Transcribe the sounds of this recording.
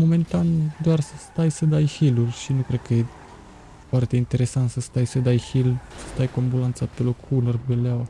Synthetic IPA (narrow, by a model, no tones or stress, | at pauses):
mo̞me̞nt̪and̪oarsəst̪ajsəd̪ajhilurʲʃinukɾe̞d̪̚kəje | foart̪e̞int̪e̞ɾe̞sant̪səst̪ajsəd̪ajhilsə̥st̪ajkoambulant̪sape̞lo̞kːunərbeleawa